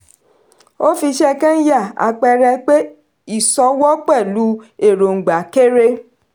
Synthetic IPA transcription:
o˦fi˧ʃɛ˦kã˦n̩˦ja˦˨a̰˧k͡pɛ˧ɾɛ˧k͡pe˦ | i˦˨sɔ˧˦wɔ˦k͡pɛ˦˨lu˨˦e˦˨ɾo˨ŋ̩˨ɡ͡ba˨˦ke˦ɾe˦

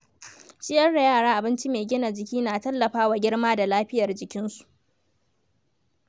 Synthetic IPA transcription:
t͡ʃɪ˦jɐ˦rɽa˨jaː˦˨ɽaː˦ʔa˨bɪ˦nt͡ʃi˦meː˨ɡʲɪ˦na˨d͡ʒɪ˨kʲiː˦naː˨tɐ˦lːɐ˨ɸaː˦wa˨ɡʲɪ˦ɽmaː˦da˨laː˦ɸɪ˦jɐ˨rd͡ʒɪ˨kʲɪ˦nsu̥˨ʔ

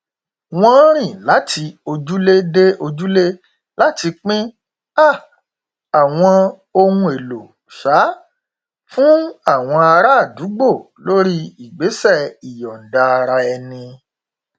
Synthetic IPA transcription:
w̃ɔ̃˦ɾ̃ĩ˦˨la˨˦tʰi˧o˧d͡ʒu˦le˦de˦o˧d͡ʒu˦le˦ | la˦ti˧k͡pĩ˦ | a˦˨ | a˨w̃ɔ̃˧ | o˧wũ˧e˨lo˨ | ʃa˨˦ | fũ˦a˦˨w̃ɔ̃˧a˧ɾa˦˨du˨˦ɡ͡bo˦˨ | lo˦ɾi˦i˦˨ɡ͡be˨˦sɛ˦˨i˨jɔ˨n̩˨da˧ɾa˧ɛ˧nĩ˧

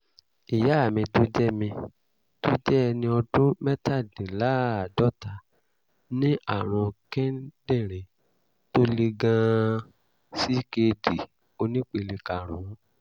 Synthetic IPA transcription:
i˨ja˨˦˨mĩ˧tu˦d͡ʒɛ˦mĩ˧ | to˦d͡ʒɛ˦˧nĩ˧ɔ˧du˦mɛ˦ta˦˨dĩ˨la˨˦a˨dɔ˦ta˨ | nĩ˦ʔa˦˨ɾ̃ɔ̃˧kɛ̃˦dɛ̃˦˨ɾ̃ẽ˨ | to˦le˧ɡã˧ | si˦ke˧di˨ | o˧nĩ˦k͡pe˧˨le˧ka˨ɾ̃ũ˨˦

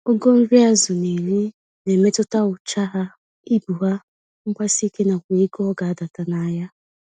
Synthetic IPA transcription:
o˦ɡo˦m̩˦ɾi˦a˦zʊ˨ne˨li˦ | ne˨me˦tʊ˦ta˦ʊ˨t͡ʃa˦ɦa˦ | i˦bu˨ɦa˦ | ŋ̩˦kʷa˦si˦ke˦na˨kʷe˨˦ɡɔ˦ɔ˦ɡa˨a˦da˨ta˨na˨ja˦

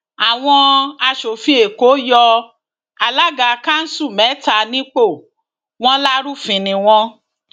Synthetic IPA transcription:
a˨w̃ɔ̃˧a˧ʃo˨fĩ˧e˨ko˨˦jɔ˧ | a˧la˦ɡa˨˧ka˦n̩˦su˦˨mɛ̃˨˦ta˧˨nĩ˦k͡po˦˨ | w̃ɔ̃˦la˦ɾu˦fĩ˨nĩ˨w̃ɔ̃˧

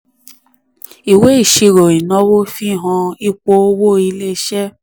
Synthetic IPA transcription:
i˨we˨˦i˦˨ʃi˧ɾo˨i˨nɔ̃˨˦wo˦fi˦˨ɦɔ̃˧i˦k͡po˧o˦wo˦i˧le˦˧ʃɛ˦

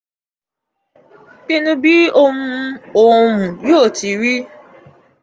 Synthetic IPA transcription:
ke˦nũ˦bi˦o˦mũ˦o˦˨mũ˨jo˦˨ti˨ɾi˦

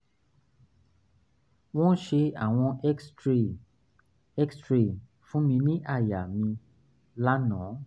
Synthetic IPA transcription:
w̃ɔ̃˦ʃe˧a˨w̃ɔ̃˧˦˨ | ɛ˦kstɾe˨ | fũ˦mĩ˧nĩ˦ʔa˦˨ja˨mĩ˧ | la˦nã˨˦

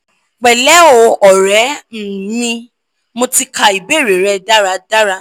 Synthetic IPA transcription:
k͡pɛ˨lɛ˨˦o˨˧˦ɔ˨ɾɛ˨˦n̩˨nĩ˧ | mo˧ti˧kʰa˧i˨be˦˨ɾe˨ɾɛ˧da˦ɾa˧da˦ɾa˧

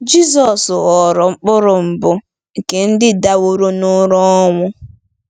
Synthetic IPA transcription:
d͡ʒi˦zɔ˨sɔ˨ɾɔ˨ŋ͡m̩˦k͡pʊ˦ɾʊ˨m̩˨bʊ˦ | ŋ̩˨ke˨n̩˦dɪ˦da˦wo˦ɾo˦nʊ˦ɾɔ˦ŋʷʊ˦

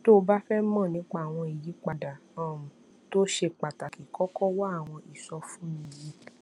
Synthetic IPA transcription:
to˦˧ba˦fɛ˦mã˦˨nĩ˨˦k͡pa˦˨w̃ɔ̃˧i˨ji˨˦k͡pa˧˨da˨a˨m̩˨ | to˦ʃe˧k͡pa˨ta˨ki˨kɔ˦kɔ˦wa˦a˦˨w̃ɔ̃˧ʔi˨sɔ˧fũ˦mĩ˧˨ji˨˦

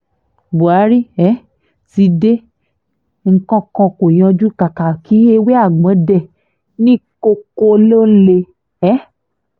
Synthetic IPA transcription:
bo˨a˨˦ɾi˦ɛ˨˦ | ti˧de˦ | ŋ̩˨kɔ̃˧kɔ̃˧ko˨j̃ɔ̃˧d͡ʒu˦ka˨ka˨ki˨˦e˧we˦a˦˨ɡ͡bɔ̃˨˦dɛ˦˨ | nĩ˦ko˧ko˧lo˦n̩˦le˧ | ɛ˦

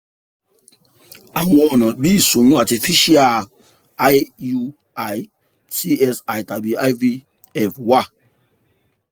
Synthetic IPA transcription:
a˨wɔ˦˨nɔ˨bi˦˨su˨nu˦a˨ti˨fi˦ʃi˦a˨ | a˦ju˦ | a˨j | ti˦ɛ˦sa˨jta˨bi˨a˦jvi˦ | ɛ˨fwa˦˨

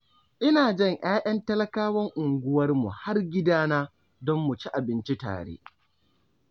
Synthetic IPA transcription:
ʔɪ˦naː˨d͡ʒɛ˦˨ŋʔaː˦ʔɐ˦ntɐ˦lɐ˦kaː˦wɐ˦ŋʔʊ˨ŋɡʷʊ˦wɐ˦rmṵ˨ha˦rɡʲɪ˦daː˦naː˦ | dɔ˦mːu˨t͡ʃi˦ʔa˨bɪ˦nt͡ʃi˦ta̰ː˨ɽḛː˦

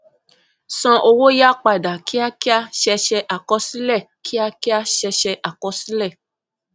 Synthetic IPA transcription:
sɔ̃˧ʔo˧wo˦ja˦k͡pa˨da˨ki˦a˧ki˦a˧ʃɛ˧ʃɛ˧ʔa˨kɔ˧˦sĩ˦lɛ˦˨ki˦a˧ki˦a˧ʃɛ˧ʃɛ˧ʔa˨kɔ˨˧si˦lɛ˦˨

